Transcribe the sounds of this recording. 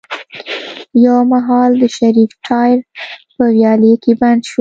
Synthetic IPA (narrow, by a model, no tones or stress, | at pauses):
jawmaɦɑld̪əʃaɾifʈʰɑjɾpəwjɑlekeband̪ʃu